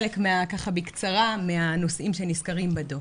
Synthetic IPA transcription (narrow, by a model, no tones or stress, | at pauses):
lekmeakaχabikt͡saʁameano̞sʔimʃeniskaʁimbado